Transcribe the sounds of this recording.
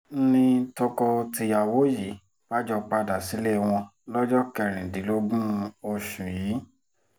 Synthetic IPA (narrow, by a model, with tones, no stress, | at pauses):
nĩ˧tɔ˧kɔ˧ti˧ja˨wo˨˦ji˨˦ | b̥a˦d͡ʒɔ˧k͡pa˧da˨si˨˦le˦˨w̃ɔ̃˧lɔ˦d͡ʒɔ˦kɛ˧˨ɾ̃ĩ˨di˨˦lo˦ɡũ˦o˧ʃũ˨jiː˨˦